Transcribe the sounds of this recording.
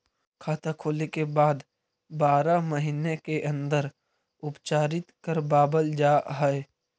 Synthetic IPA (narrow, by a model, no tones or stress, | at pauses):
kʰaːt̪akʰoːlekebaːd̪ | baːɾaməɦiːnekeʔɐ̃nd̪əɾ | ʊpt͡ʃaːɾɪt̪kəɾbaːbəld͡ʒaːɦɛe